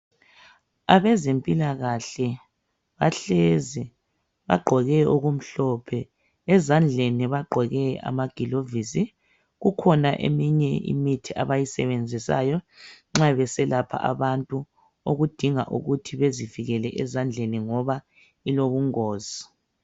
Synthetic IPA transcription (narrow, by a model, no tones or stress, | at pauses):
aβɛzempʼilaɣaɬɛ | βaɬezi | βa̰ɡ͡ǃʱɔɣɛoɣum̩ɬɔpʰɛ | ɛzand͡ɮʱeniβaɡ͡ǃʱɔɣɛa̰maɡ̥ʱilovisi | ɣukʰɔnaʔḛmiɲɛḭmitʰiʔaβajisɛβend͡zʱisa̰ːjɔŋ͡ǁaβɛsɛlapʰa̰ʔa̰βantʼu | oɣud̥ʱiŋa̰ʔṵɣutʰiβeziviɣɛlɛʔɛzand͡ɮʱeniŋɔβa | iloɣuŋɔːzi